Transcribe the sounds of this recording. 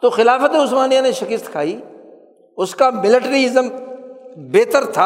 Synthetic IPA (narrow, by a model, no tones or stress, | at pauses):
t̪oxɪlaːfət̪eʊsmaːnijãneʃɐkɪst̪kʰaːiː | ʊskamɪlɪʈɾiɪzəm | beːt̪əɾt̪ʰaː